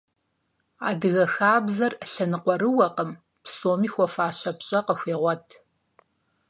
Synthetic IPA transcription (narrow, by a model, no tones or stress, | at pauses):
a̰ːdɨɣɐxaːbzɐrɬɐnɨqʷɔɾɨwɐqəm | psoːmiːxʷɔfaːɕɐpɕʼɐqəxʷeːʁʷɔtʰ